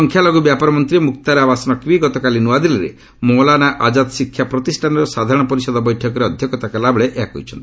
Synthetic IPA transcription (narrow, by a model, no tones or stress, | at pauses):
ɔŋkʰjalɔɡubjapɔɾɔmɔnt̪ɾimuk̚t̪aɾeabasɔnɔkwiɡɔt̪ɔkalinuad̪ileɾḛ | mɔlanaʔad͡ʒat̪sikʰːjapɾɔt̪isʈʰanɔɾɔsad̪ʱaɾɔɽ̃ɔpɔɾisɔd̪ɔbɔjʈʰɔkɔɾeɔd̪ʱjɔkɔt̪akalabɔɭeʔeakɔ̰jt͡ʃʰɔnt̪i